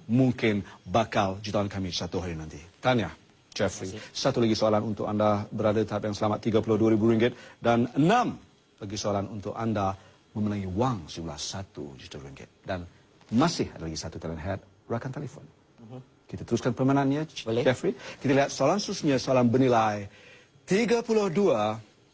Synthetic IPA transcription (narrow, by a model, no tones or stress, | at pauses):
muŋkɪnbakald͡ʒut̪awankamisat̪uɦajunãnt̪it̪anja | d͡ʒɛfɾisat̪ulaɡisoalanunt̪ʊkandabəɾadat̪əapjaŋsəlamat̪ːiɡapulʊhduaɾibuɾiŋɡɪt̪̚danənãm | laɡisoalanunt̪ʊkanda | mə̃mənaŋiwaŋsumula̰hsat̪ṵd͡ʒut̪əɾiŋɡɪ̰t̪̚dan | masɪhadalaɡisat̪ut̪alɛnɦɛt̪̚ | ɹakant̪ɛlɛfo̰n | kit̪at̪əɾʊskanpəmananɲad͡ʒɛfɾikit̪aliɦat̪̚soalanst̪əɾʊsɲəsoalanbərnilaj | t̪iɡapulʊhdua